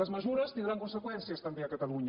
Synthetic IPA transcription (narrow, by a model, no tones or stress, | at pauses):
əzməʒuɾəst̪ind̪ɾaŋkunsəkwɛnsiəst̪əmbeɐkət̪əluɲ